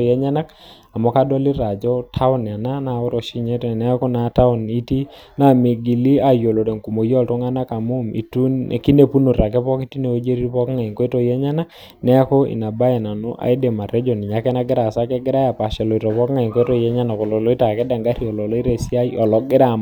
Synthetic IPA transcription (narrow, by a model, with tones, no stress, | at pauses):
jɛ˦ɲa˦na˦k | a˨mɔ˦ka˦dɔ˦li˦ɾa˨d͡ʒɔ˦tʰa˦ʊ˦n˨a˨na˦na˨o˦ɾɔ˨ʃi˦ɲɛ˦tɛ˨nɛ˦ko˦na˦ta˦ʊ˦˨ni˦ti˦ | na˨mi˨ɡi˨li˦a˨jo˨lɔ˨ɾe˨ŋku˨mo˨jɔ˦ltɔ˦ŋa˦na˦ka˨mu˦mḭ˨tṵ˦˨ki˦ne˨pu˦no˨ɾa˨k̬ɛ˦pɔ˦ki˦ti˦ne˨o˦d͡ʒe˦ɾi˦ɾpɔ˦kŋa˨i˨ŋkɔ˦ɛ˦tɔ˦jɛ˦ɲa˦na˦k̚ | nɛ˦a˦kɔ˦ḭ˨na˨ba˦jɛ˨na˨nṵ˦ʔa̰˨i˦de˨ma˨ɾɛ˦d͡ʒɔ˨ni˨ɲa˦kɛ˦na˦ɡɪ˦ɾa˨sa˦kɛ˦ɡɪ˦ɾa˦a˨pa˨ʃɛ˨lɔ˨i˨ɾɔ˨pɔ˦kŋa˨i˨ŋkɔ˦tɔ˦jɛ˦ɲa˦na˨kɔ˨lɔ˨lɔ˦i˦ta˨kɛ˦da˨ŋɡa˦ɾi˦˨ɔ˨lɔ˨lɔ˦i˦ɾe˦˨si˦a˦iɔ˨lɔ˨ɡɪ˦ɾa˦˨m